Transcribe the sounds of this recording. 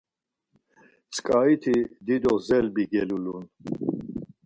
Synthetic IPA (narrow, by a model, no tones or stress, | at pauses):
t͡sʰʼkʼait̪ʰid̪id̪ɔzɛlbiɡɛlulun